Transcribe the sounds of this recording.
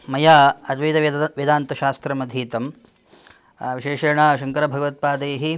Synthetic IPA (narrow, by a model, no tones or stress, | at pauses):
mɐjaːɐd̪ʋid̪ɐʋjid̪aːnt̪ɐʃaːst̪ɾɐmɐd̪ʱiːt̪ɐm | ʋiʃeːʃɐɾɐɳaːʃɐŋkɐɾɐbʱɐɡɐʋɐt̪̚paːt̪eːɦi